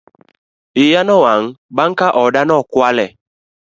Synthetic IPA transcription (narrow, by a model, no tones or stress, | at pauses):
ijanɔwaŋ̩baŋkaʔɔdanɔkwalɛ